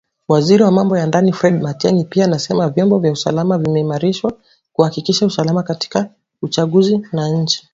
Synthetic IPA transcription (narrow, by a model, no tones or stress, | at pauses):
waziɾiwamambɔjandanifɾɛd̚matɛŋipiaːnasɛmavjɔmbɔvjausa̰lamavimɛimaɾiʃwa | kuhakikiʃausalamakati̥ka | ut͡ʃaɠuzinaɲ̩t͡ʃi̥